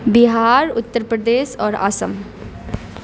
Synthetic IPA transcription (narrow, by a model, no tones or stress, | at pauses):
bɪɦaːɾʊt̪ːəɾpɾəd̪eːʃɔːɾa̰ːsəm